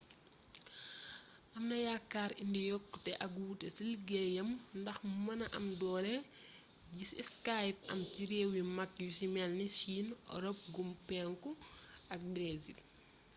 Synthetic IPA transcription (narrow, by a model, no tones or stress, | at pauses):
ʔɐmnɐjakːaːɾindɛjɔkːtɛʔɐɡutesilɡɛjɐmndɐxmɐnɐʔɐmdɔːɾɛ | ɟisɛ̰skajp̚ɐ̰mciɾeːwimɐkjusimɛlnisiːnɔ̰ɾɔp̚ɡumpɛŋkuɐk̚bɾezḭl